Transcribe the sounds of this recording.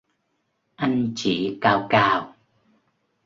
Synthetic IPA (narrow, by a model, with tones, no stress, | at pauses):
ʔa˧ŋ̟t͡ɕi˧˩kaː˧wkaː˧w